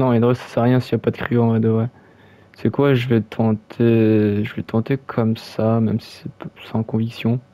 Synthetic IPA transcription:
nɔ̃ed̪ʁɔsḁsɛʁjɛ̃sijapad̪əkχiɔ̃ʁɛd̪əvʁɛ | sɛkwaʒəvɛt̪ʰɑ̃t̪ʰeʒəvɛt̪ʰɑ̃t̪ekʰɔmsamɛmsi̥sɛpsɑ̃kɔ̃viksjɔ̃

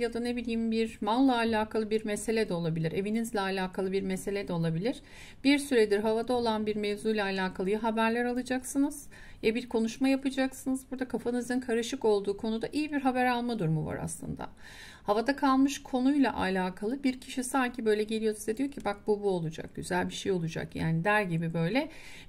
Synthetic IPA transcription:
jad̪anebilʲiːmbiɾmanlˠaːlʲaːkʰalˠɯbiɾmese̞lʲɛd̪ɛo̞lˠabilʲiɾe̞vinizlʲɛalʲaːkʰalˠɯbiɾmese̞lʲɛd̪ɛo̞lˠabilʲiɾ̥ | biɾsyɾed̪iɾɦavad̪ao̞lˠanbiɾmevzujlʲˠaːlʲaːkʰalˠɯjɯɦabæɾlʲæɾalˠɯd͡ʒaksɯnɯz̥ | jabiɾkʰo̞nuʃmajapɯd͡ʒaksɯnɯzbuɾd̪akʰafanɯzɯnkʰaɾɯʃɯko̞lˠd̪uːkʰo̞nud̪aʔijibiɾɦabæɾalˠmad̪uɾmuva̰ɾa̰slˠɯ̰nd̪a̰ | havad̪akʰalˠmɯʃkʰo̞nujlˠa̰ʔalʲaːkʰalˠɯbiɾcʰiʃisaɲcʰibø̞jlʲɛɟe̞lʲijo̞nzed̪ijo̞cʰibak̚bubuo̞lˠud͡ʒa̰k̚ɟ̥yzælʲbiʃejo̞lˠud͡ʒa̰kja̰ːnid̪æɾɟibibø̞jlʲɛ

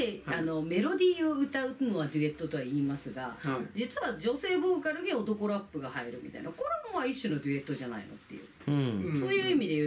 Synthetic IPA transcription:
eano̞me̞ɾo̞d̪ʲiːo̞ɯ̟t̪aɯ̟no̞β̞ad̪ɯ̟e̞t̪ːo̞t̪o̞βaiːmasɨɡad͡ʑit͡sɨβad͡ʑo̞se̞ːbo̞ːkaɾɯ̟ɡʲio̞t̪o̞ko̞ɾapːɯ̟ɡahaiɾɯ̟mʲḭt̪a̰ḭnako̞ɾomoβaiɕːonod̪ʲɯe̞t̪ːo̞ʑana̰ḭno̞̰t̪ːe̞jɯ̟̰ː | so̞ːjɯ̟ːimʲid̪eɯ

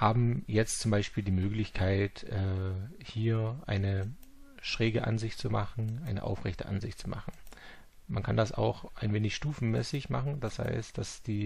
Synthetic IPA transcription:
haːbm̩jɛt͡stt͡sʊmbaɪʃpiːldiːmøːklɪçkʰaɪtʔɛːhiːɐʔaɪnə | ʃʁ̥eːɡəʔa̰nzɪçtt͡sumaχn̩ʔaɪnə̰ʔa̰ʊfʁɛçtəʔa̰nzɪçtt͡sumʔa̰χn̩ | ma̰nkʰandasa̰ʊxʔaɪnveːnɪçʃtuːfn̩mɛːsɪçmaχn̩d̥asz̥a̰ɪstd̥asd̥iː

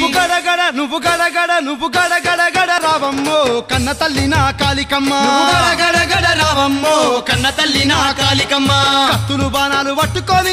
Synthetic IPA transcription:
uɡɐɽɐɡɐɽɐnuʋːuɡɐɽɐɡɐɽɐnuʋːuɡɐɽɐɡɐɽɐɡɐɽɐɾaːʋɐmːoːkɐnːɐt̪ɐlːinɐkaːlikɐmːɐnɡɐɽɐɡɐɽɐɡɐɽɐɾaːʋɐmːoːkɐnːɐt̪ɐlːinɐkaːlikɐmːakɐt̪ːulubaːnaːluʋɐʈːukoːni

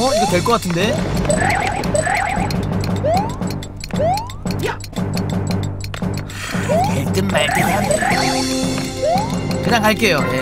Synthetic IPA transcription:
ʌiɡʌtwe̞ɭk͈ʌk͈atʰɯnde̞ | eɭt͈ɯnmaɭtɯnand | kɯɲaŋɦaɭk͈e̞joje̞

